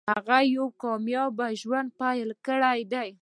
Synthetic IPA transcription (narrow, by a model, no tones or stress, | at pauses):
haɣajawkɑmjɑbaʒwand̪̚pajəlkəɽajd̪aj